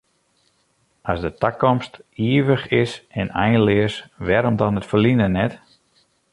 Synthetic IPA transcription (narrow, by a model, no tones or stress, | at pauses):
ʔasdətakɔmstiəʋəxɪsɛnɛjnlɪəsʋɛɾɔmdɔtnətfəlinənɛt